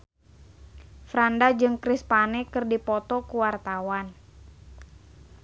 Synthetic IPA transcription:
fɾandad͡ʒɨŋkɾispanɛkɨrdipɔt̪ɔkuwart̪awan

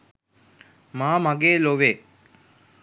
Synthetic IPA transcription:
maːmaɡeːloʋeː

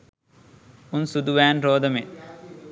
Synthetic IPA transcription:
unsud̪uʋæːnɾoːd̪ɐmet

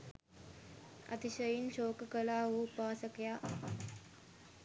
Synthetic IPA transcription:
ɐ̰t̪iʃəjinɕoːkəkəlaːɦoupaːsəkjaː

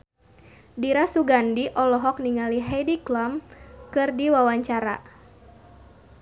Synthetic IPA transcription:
diɾasuɡandiʔɔlɔɦɔk̚niŋaliɦɛdiklɔmkɨrdiwawaɲt͡ʃaɾa̰

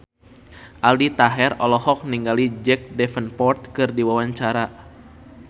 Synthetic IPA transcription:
ʔaldit̪aɦɛrɔlɔhɔk̚niŋɡalid͡ʒɛk̚dɛfənpɔrt̪̚kɨrdiwawaɲt͡ʃaɾa

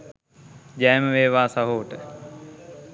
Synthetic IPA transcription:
d͡ʒæːməʋeːʋaːsaɦoːʈə

